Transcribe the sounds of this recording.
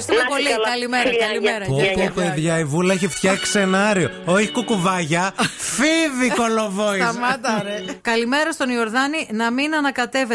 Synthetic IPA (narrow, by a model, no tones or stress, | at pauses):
ɾist̪umepo̞likkɐlimeɾɐkɐlimeɾɐopopeðʝɐivulɐeçift̪çɐkse̞nɐɾiooçi̥kukuvɐʝɐfiviko̞lovoiɐmɐt̪ɐɾekɐlime̞ɾɐst̪o̞nio̞ɾðɐninɐminɐnɐkɐt̪e̞ve